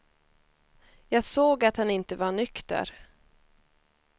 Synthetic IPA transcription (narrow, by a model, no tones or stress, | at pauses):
jɑːɡsoːɡat̪hanɪnt̪əvaɳʏkt̪ə̰ɾ